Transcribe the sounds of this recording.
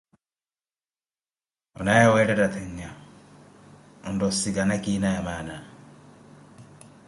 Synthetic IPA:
ɔnajawɛɾɛɾat̪ʰɛɲːa | ɔndosiɡanakinajamaːna

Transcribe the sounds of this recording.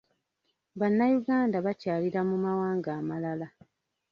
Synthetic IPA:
βanːajuɡaːndaβacaːliɾamumawaːŋɡaːmalala

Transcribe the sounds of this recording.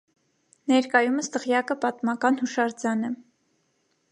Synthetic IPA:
nɛɾkɑjuməst̪əʁjɑkəpɑt̪mɑkɑnhuʃɑɾd͡zɑnɛ

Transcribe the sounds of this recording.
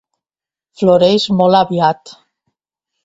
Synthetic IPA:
floɾejzmolaβjat̪

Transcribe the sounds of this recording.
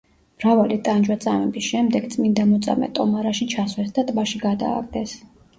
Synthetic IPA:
mɾavalit̪ʼand͡ʒwat̪sʼamɛbisʃɛmd̪ɛɡt̪sʼmind̪amɔt̪sʼa̰mɛ̰t̪ʼɔmaɾaʃit͡ʃʰaswɛsd̪at̪ʼbaʃiɡad̪a̰ːɡ̚d̪ɛs

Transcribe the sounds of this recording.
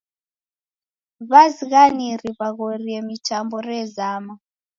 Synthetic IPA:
βaziɣaniriβaɣoriɛmitʰambɔrɛzama

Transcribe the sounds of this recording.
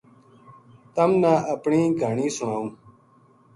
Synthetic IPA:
t̪ɐmnãːɐpɳĩːɡʱaːɳĩːsʊɳ̃aːũː

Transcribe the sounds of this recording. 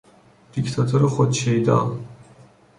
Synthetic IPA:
d̪̥ikʰt̪ʰat̪ʰɔɾɔχɔt̪t͡ʃʰɛjd̪a̰

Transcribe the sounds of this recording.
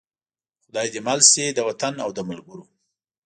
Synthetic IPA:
xʊd̪ɑjd̪emalsed̪əwat̪anawd̪əmalɡʊɾo

